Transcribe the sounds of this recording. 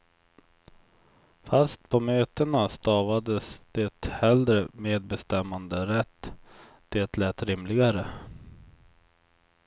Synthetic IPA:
fast̪̚pʰɔmøːt̪ənast̪ɑːvad̪əsd̪̥eːt̪hɛld̪ɾəmeːd̪̚bɛst̪ɛmːand̪əɾɛt̪ː | d̪̥eːt̪lɛːt̪ɾɪmlɪɡaɾə

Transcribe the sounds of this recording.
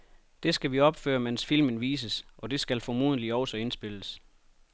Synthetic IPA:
d̥e̝sɡ̥æʋiɒ̽b̥fø̰ːɐmensfil̰mənʋḭːs̬əsʔɒ̽d̥e̝sɡ̥ælfɒmuðˠəliɒʊsɒ̽e̝nsb̥e̝ləs

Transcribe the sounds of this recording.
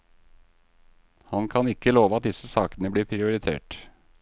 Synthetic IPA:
hɑnkʰɑnɪkːəloːʋəɑt̪̚d̪ɪsəsɑːkənəbliːɾpʰɾɪʊɾɪt̪ʰḛːʈ

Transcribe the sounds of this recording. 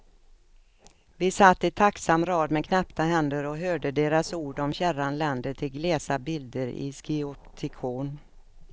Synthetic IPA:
vɪsat̪ːɪt̪ʰaksamːɾɑːd̪mɛkʰnɛpt̪aɦɛnd̪əɾɔɦøːɖəd̪eːɾasuːɖɔmɕæɾanlɛnd̪əʈʰɪlɡlɛːsabɪld̪əɾɪ̰skɪɔt̪ʰɪkʰuːn

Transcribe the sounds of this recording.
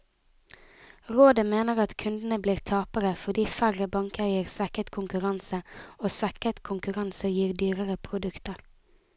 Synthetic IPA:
ʁoːd̪əmeːnəʁɑt̪kʰʉnd̪n̩əbliːʁt̪ʰɑːpəɾəfɔd̪iːfæʁəbɑŋkæɪəʁsʋækət̪kʰʊŋkʉʁɑnsəoːsʋækət̪kʰʊŋkʉʁɑnsəjiːʁd̪yːʁəʁəpʰʁʊd̪ʉkt̪əʁ

